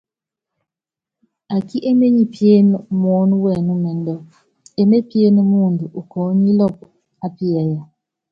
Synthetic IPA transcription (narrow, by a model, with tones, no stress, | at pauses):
a˨ki˦ʔe˦me˦ɲi˦pje˦n˨mɔ˨˦n˦wɛ˨nu˦mɛ˨n˦dɔ˦ | e˦me˦pje˦n˦muː˦˨ndu˨ʔu˨kʰɔː˨˦ɲi˦lɔ˦˨p̚ | a˦pi˦a˨ja˨